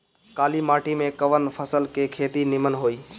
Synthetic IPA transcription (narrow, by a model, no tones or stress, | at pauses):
kaːlimaːʈimẽkəʋənpʰəsəlkekʰeːt̪inɪmənɦoːiː